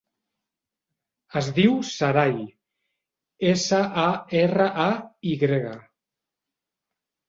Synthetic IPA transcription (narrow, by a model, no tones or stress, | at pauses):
əzðiwsaɾaj | esaʔaerəʔaiɣɾeɣa